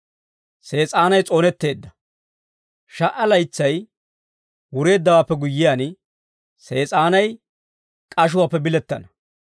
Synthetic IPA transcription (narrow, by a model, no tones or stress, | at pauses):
se̞ːt͡sʼaːnɐjt͡sʼo̞ːnɛt̪ːe̞ːd̪ːɐ | ʃɐʔɐlɐjt͡sːɐj | wʊɾe̞ːd̪ːɐwaːpːɛɡʊjːɪjaːn | se̞ːt͡sʼaːnɐj | kʼɐʃ̬ʊwaːpːɛbɪlɛt̪ːɐ̰nɐ